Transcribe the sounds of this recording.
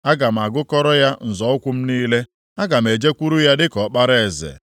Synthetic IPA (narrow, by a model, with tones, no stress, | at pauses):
a˦ɡa˨m̩˨a˨ɡʊ˦kɔ˦ɾɔ˦ja˦n̩˨zɔ˨˦ʊ˦kʷu˦m̩˦niː˦le˦ | a˦ɡa˨m̩˨e˨d͡ʒe˦kʷu˦ɾu˦ja˦dɪ˦kɔ˨k͡pa˦ɾe˦˨zḛ˨